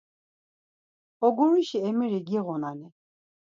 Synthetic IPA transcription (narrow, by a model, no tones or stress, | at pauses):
ɔɡɔɾiʃiɛmiɾiɡiɣɔnani